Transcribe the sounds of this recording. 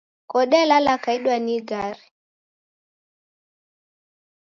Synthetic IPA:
kɔɗɛlalakaiɗwaniɡaɾi

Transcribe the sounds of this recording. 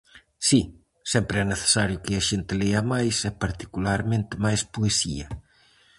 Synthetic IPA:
si | sɛmpɾeɛneθe̥saɾjukeaʒent̪eleamajsɛpaɾt̪i̥kulaɾmẽnt̪emajspuesḭɐ

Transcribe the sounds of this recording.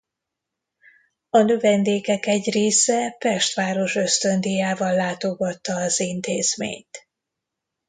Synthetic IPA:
ɒnøvɛnd̪eːkɛkɛɟreːsɛpɛʃt̪ʋaːɾo̞ʃø̞st̪ø̞nd̪ijaːvɒlːaːt̪o̞ɡɒt̪ːɒːzint̪eːz̥mḛːɲt̪

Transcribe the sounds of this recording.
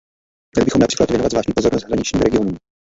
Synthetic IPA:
mɲɛlɪbɪxomnapr̥i̥ːklat̪vjɛnovadzvlaːʒɲiːpozoɾnost̪ɦɾaɲɪt͡ʃɲiːmɾɛɡɪonuːm

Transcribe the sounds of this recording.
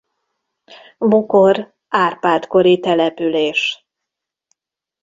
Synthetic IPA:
bukor | aːrpaːlt̪ko̞ɾit̪ɛlɛpyleːʃ

